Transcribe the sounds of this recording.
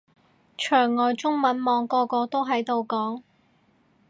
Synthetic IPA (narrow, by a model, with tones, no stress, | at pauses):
t͡ʃʰœː˨˩ŋːɔː˨jt͡sʊ˥ŋmɐ˨˥nmɔː˨˧ŋkɔː˧kɔː˧t̪o˥wɦɐ˨˥jt̪o˨˧wkɔː˨˥ŋ